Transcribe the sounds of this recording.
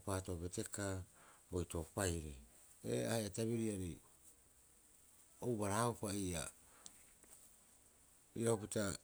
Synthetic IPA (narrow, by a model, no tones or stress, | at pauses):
paːto̞be̞te̞kabo̞jto̞pajɾi | ḛaheataβiɾiaɾi | owbaɾaopaia̰ | iɾaopita